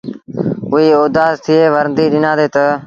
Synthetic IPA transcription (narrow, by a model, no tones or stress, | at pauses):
ʊɦiːoːd̪aːzt̪ʰɪeːʋəɾnd̪iːɗɪnãːd̪eːt̪ə